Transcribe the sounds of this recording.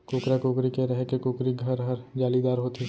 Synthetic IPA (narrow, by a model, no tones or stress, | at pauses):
koːkɾakoːkɾikeɾɛɦɛkekoːkɾiɡʱɐɾɦɐɾd͡ʒaːlid̪aːɾɦoːt̪e